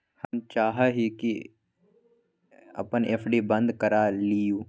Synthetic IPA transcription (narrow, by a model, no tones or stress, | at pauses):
həmt͡ʃaːɦaɦiki | ə̰pəneːpʰɖibə̃nd̪kəɾaːlijuː